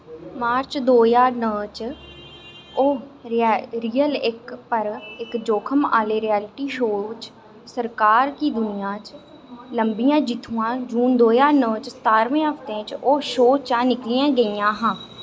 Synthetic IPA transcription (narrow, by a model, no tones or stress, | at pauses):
maːɾt͡ʃd̪oːjaːnəːt͡ʃ | oː | ɾiːəlɪkpəɾɪkd͡ʒoːkʰəma̰ːleːɾijɛːlɪʈiːʃoːt͡ʃ | səɾkaːɾkiːd̪ʊnɪjãːt͡ʃ | ləmbijãːd͡ʒɪt̪ʰːũːãːd͡ʒuːnd̪oːjaːɾnəːt͡ʃst̪aːɾʋẽːɦəft̪ẽːt͡ʃoːʃoːt͡ʃãːnɪklijãːɡəijãːɦãː